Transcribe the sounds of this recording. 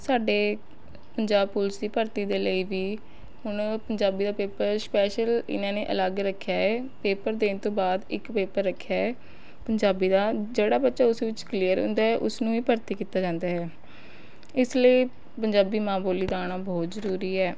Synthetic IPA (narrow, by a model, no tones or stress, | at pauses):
saːɖeː | pəɲd͡ʒaːbpʊlsd̪iːpəɾt̪iːd̪eːləiːʋiː | hʊɳpəɲd͡ʒaːbiːd̪aːpeːpəɾspɛːʃəlɪ̰nãːneːʔə̰ləɡɾəkʰːjaːɛːpeːpəɾd̪eːnt̪õːbaːd̪ɪkpeːpəɾːəkʰːjaːɛː | pəɲd͡ʒaːbiːd̪aːd͡ʒeːɽaːbətːʃaːʊsʋɪt͡ʃklijəɾɦʊ̰ːnd̪aːɦɛːʔʊsnũːiːpəɾt̪iːkiːt̪aːd͡ʒãːnd̪aːɦɛː | ɪsləiː | pəɲd͡ʒaːbiːmãːboːliːd̪aːɽ̃aːbɔːt̪zəɾuːɾiːɦɛː